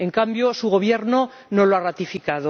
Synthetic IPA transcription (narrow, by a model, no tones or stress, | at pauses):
e̞ŋkambjo̞suɣo̞β̞je̞ɾno̞ | no̞loarat̪ifikað̞o